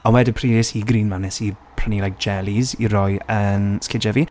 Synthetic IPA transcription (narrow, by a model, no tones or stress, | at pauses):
ɔnwɛdəpʰriːdɛshiɡɾiːnmanɛsipʰr̥ənilajk̚d͡ʒɛlˠiziɾɔɨənskɪd͡ʒɛvi